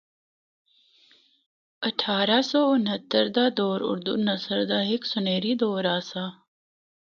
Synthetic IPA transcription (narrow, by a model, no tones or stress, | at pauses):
əʈʰaːɾasoːʊnɦɐt̪əɾd̪aːd̪oːɾʊ̰ɾd̪ṵnɐsəɾd̪aɦɪksʊneːɾid̪oːɾaːsa